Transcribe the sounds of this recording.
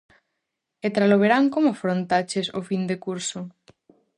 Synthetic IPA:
et̪ɾaloβ̞eɾaŋkomʊafɾont̪at͡ʃesofind̪ekuɾsʊ

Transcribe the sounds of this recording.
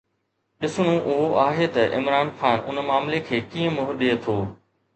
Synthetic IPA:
ɗɪsɽ̃õʔʊɦoʔaːɦet̪ɐʔɪ̰mɾaːnxaːnʊ̰nmaːmlekʰeːkĩːə̃mʊɦɗeːt̪ʰoː

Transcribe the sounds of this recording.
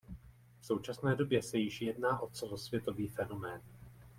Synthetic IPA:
fso̞wt͡ʃasnɛːdo̞bjɛsɛjɪʃjɛdnaːʔo̞t͡sɛlo̞svjɛt̪o̞viːfɛno̞mɛːn

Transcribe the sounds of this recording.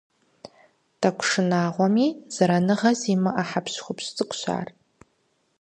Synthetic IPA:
tʰʼakʷʰʂɨnaːʁʷamiz̥aɾanɨʁazimɨʔaħapʰʃχʷʊpʰɕtʼɨkʷʰʃʷa̰ːr

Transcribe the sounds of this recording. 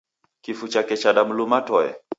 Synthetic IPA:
kifut͡ʃakɛt͡ʃaɗamulumatɔɛ̰

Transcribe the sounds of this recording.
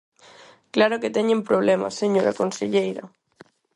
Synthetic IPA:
klaɾoket̪ɛɲẽmpɾoβ̞lɛma̰seɲoɾakonseʎejɾɐ̰

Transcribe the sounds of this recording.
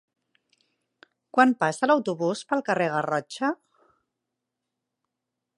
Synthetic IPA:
kwampasələwt̪uβuspəlˠkəreɣ̞ərɔt͡ʃə

